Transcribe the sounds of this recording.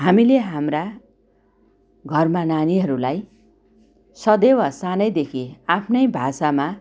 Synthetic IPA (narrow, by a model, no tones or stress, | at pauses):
ɦamileɦamra | ɡʱʌrmananiɦʌɾulaj | sʌd̪ewasanʌjd̪ekʰiapʰnʌjbʱasama